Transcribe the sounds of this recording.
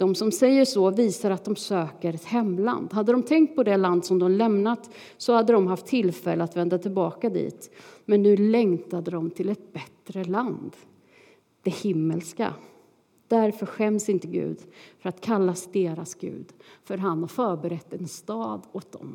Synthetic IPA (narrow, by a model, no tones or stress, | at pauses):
d̪̥ɔmsɔmsɛjːəʂɔviːsaɾat̪̚d̪ɔmsøːkəɾɛt̪hɛmːla̰nd̪ɦad̪ːəɾɔmt̪ʰɛŋkt̪̚pʰɔd̪ɛland̪sɔmd̪ɔmlɛmnat̪ | sɔhad̪ːədɔmɦaft̪ʰːɪlːfɛlːəat̪vɛnd̪at̪ʰɪlbɑːkad̪ḭːt̪mɛnːʉ̟ːlɛŋt̪ad̪əd̪ɔmt̪ʰɪlɛt̪̚bɛt̪ɾəland̪ | d̪̥ɛhɪmːəlska̰ | d̪̥æɾfœɾɧɛmsɪnt̪əɡʉ̟̰ːd̪fœɾat̪kʰalːasd̪eːɾasɡ̥ʉ̟̰ːd̪fœɾɦanhafœːɾbɛɾɛt̪ːɛnst̪ɑːd̪ɔt̪̚d̪ɔ̰m